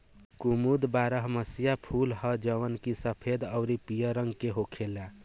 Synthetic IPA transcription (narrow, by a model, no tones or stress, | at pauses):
kumud̪baɾəɦməsijapʰuːlɦəd͡ʒəʋənkisəpʰed̪əʊɾipijəɾəŋɡkeɦokʰela